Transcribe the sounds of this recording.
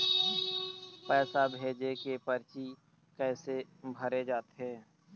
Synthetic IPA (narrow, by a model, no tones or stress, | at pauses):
pɛːsabʱeːd͡ʒekepəɾt͡ʃi | kɛːse | bʱəɾed͡ʒaːt̪ɦeː